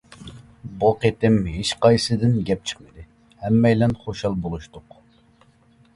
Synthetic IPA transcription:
boqet̪ɪmɦeʃqɑjsɨd̪ɪnɡʲɛp̚t͡ʃʰə̥χmɨd̪ɪ | hɛmːɛjlɛnχoʃɑlˠbolˠuʃt̪ʊq

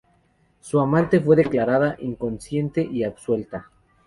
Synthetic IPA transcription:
suamãnt̪e̞fwe̞ðe̞klaɾaðaʔiŋko̞nsje̞nt̪e̞ʔiabswe̞lt̪a

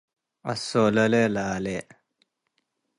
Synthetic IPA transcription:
ɐ̰soːlɐlelaːle

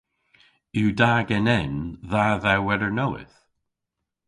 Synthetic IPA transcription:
judaɡɛ̃nɛnðaðawɛðə˞noʊɪ̰θ

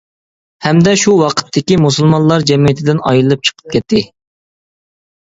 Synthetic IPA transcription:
hɛmd̪ɛʃuwɑqʰə̥t̪ʰːɪkʲimusulˠmɑnlˠɑɾd͡ʒɛmijɪt̪ʰɪd̪ɪnɑ̰jlˠɨp̚t͡ʃʰə̥qʰə̥p̚kʲʰɛt̪ʰːɪ

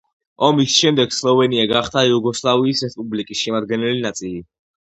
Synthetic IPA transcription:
ɔmisʃɛmd̪ɛɡ̥slˠɔvɛniaɡaχt̪ʰaiuɡɔslˠaviːsɾɛspʼublikʼisʃɛmad̪ɡɛnɛlinat̪sʼili

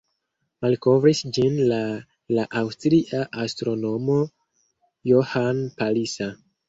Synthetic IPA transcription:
malko̞vɾisd͡ʒinla | laʔawstɾiʔaʔastɾo̞no̞mo | johanpalisa

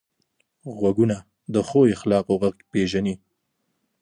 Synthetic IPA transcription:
ɣwaɡuna | d̪əxojexlɑqoɣaɡpeʒani

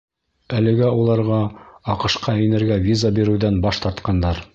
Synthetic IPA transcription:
ælɘ̆ɡæulˠɑɾʁɑɑqɤ̆ʃqɑɵ̆jnɘ̆ɾɡævʲizabiɾɘ̆wðænbɑʃt̪ɑɾt̪qɑnd̪ɑɾ

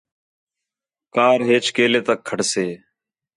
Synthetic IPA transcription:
kaːɾɦeːt͡ʃkeːleːt̪əkʰːəʈseː

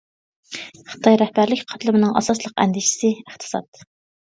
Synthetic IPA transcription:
χə̥t̪ʰɑjɾɛhbæɾlɪkʲqʰɑt̪ʰlˠɨmɨnɨŋɑsɑslˠəqɛ̰nd̪ɪʃɪ̥sɪəχt̪ʰɨ̥sɑ̰t̪

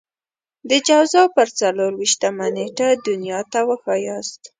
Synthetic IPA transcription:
d̪əd͡ʒawzɑpəɾt͡saloɾwiʃt̪amaneʈad̪ʊnjɑt̪awəxɑjɑst̪

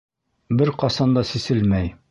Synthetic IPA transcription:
bɘɾqɒsɑnd̪ɑsisɘlmæj

